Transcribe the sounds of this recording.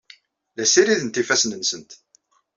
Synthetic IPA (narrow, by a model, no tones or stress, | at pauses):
ðæsiɾiðənt̪ifæsnənsənt̪